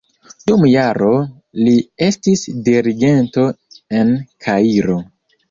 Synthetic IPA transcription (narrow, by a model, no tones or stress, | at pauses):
dumjaɾo | lie̞stisdiɾiɡe̞nto̞e̞nkʰaiɾo̞